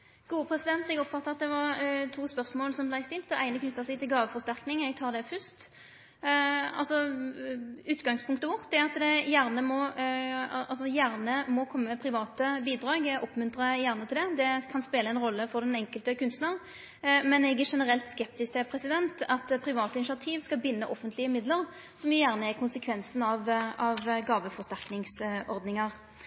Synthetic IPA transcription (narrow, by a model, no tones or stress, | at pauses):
ɡ̥uːəpʰʁɛsɪd̪ɛnt̪ɛɡɔpfɑt̪ːəɑt̪̚d̪ɛʋɑʁt̪ʰuːspœʁsmoːlsɔmblæɪst̪ɪlt̪ɔʔæɪnəkʰnʏt̪ːɑsɛɪɡt̪ʰɪlɡɑːʋəfɔʁst̪æɾknɪŋɛɡt̪ʰɑːʁd̪ɛfʏst̪ | ɑ̰lsɔ | ʉːt̪ɡɑŋspʰʊŋkt̪əʋʊʁt̪ːɛɑt̪d̪ɛjæʁnəmɔ | ʔɑlsɔjæʁnəmɔkʰɔmːəpʰɾɪʋɑːt̪əbiːd̪ɾɑːɡʔɔpmʉnt̪ɾəjæʁnət̪ʰɪld̪ɛd̪ɛkʰɑnspeːləɛnɾɔlːəfɔɾd̪ɛnɛŋkəlt̪əkʉnst̪nəʁ | mɛnɛɡæʂɛnəʁɛlt̪skɛp̚t̪ɪsk̪ɛpʰɾɛsɪd̪ɛnt̪ɑt̪pʰɾɪʋɑːt̪əɪnɪʃɪɑt̪ʰiːʋskɑbɪnːəʔɔfːənt̪lɪəmɪd̪ləɾ | sɔmjʊjæːʁnəɛkʰʊnsəkʰʋɛnsn̩ɑʋɑʋɡɑːʋəfɔst̪æʁknɪŋsɔɾd̪nɪŋɑɾ